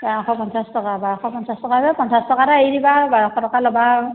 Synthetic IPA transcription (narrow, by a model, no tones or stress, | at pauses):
akʰɔpɔnsastɔkabakʰɔpɔnsastɔkabɛpɔnsastɔkaɾaejɾibabakʰɔɾɔkalɔba